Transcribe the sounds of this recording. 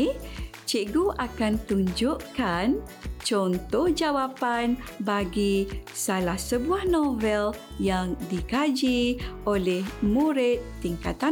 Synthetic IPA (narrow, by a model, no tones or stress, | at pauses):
t͡ʃiʔɡuʔakant̪uɲd͡ʒuʔkan | t͡ʃɔnt̪ɔhd͡ʒawapanbaɡisalahsəbuahnovɛl | jaŋdikad͡ʒiolɛhmuɾɪt̪ːiŋka̰t̪a